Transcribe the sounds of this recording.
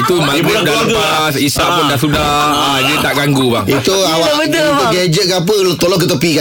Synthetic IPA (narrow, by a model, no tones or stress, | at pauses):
it̪umãkudasuda | isapundaʔsudah | ad͡ʒiit̪aʔɡaŋɡubaŋit̪uawa | t̪uɡɛd͡ʒət̪̚ɡap̬əlot̪olɔkət̪̬opiɡa